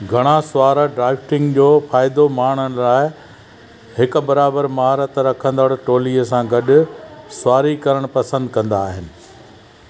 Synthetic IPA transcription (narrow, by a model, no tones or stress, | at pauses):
ɡʱɐɽ̃asʊaːɾəɖɾaːɪfʈɪ̃ŋɡd͡ʑoːfaːɪd̪omaːɽ̤̃ənɪ̆laːɪ | ɦɪkʊ̆bɐɾaːbəɾmɐɦaːɾət̪ɾɐkʰə̃nd̪əɽʈoːliəsãɡɐɗʊ̆sʊaːɾikɐɾəɽ̃pɐsə̃nd̪kɐ̃nd̪aːɦɪnɪ̆